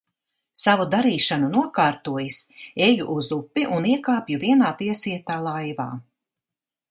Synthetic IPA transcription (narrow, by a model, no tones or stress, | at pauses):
savud̪aɾiːʃanunuɔkaːɾt̪uɔjisejuʔuzupːiʔuniɛkaːpjuviɛnaːpiɛsiɛt̪aːlˠajva̰ː